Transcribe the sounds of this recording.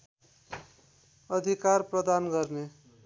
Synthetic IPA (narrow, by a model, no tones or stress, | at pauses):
ʌd̪ʱikarprʌd̪anɡʌrne